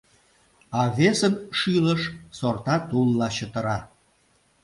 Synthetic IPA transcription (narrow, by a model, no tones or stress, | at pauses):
ɑβesənʃyləʃsort̪ɑt̪ulːɑt͡ɕət̪ə̆ɾɑ